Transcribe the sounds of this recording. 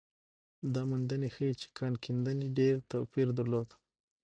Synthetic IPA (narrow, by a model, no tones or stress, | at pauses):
d̪ɑmʊnd̪ənexəit͡ʃe̥kʰɑnkʰind̪əniɖeɾt̪apiɾd̪aɾlod̪